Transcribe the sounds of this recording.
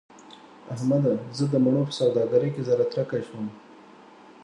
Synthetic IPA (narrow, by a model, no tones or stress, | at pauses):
ahmad̪azəd̪əmaɳopə̥sawd̪ɑɡaɾəjkezaɾat̪ɾakaʃəm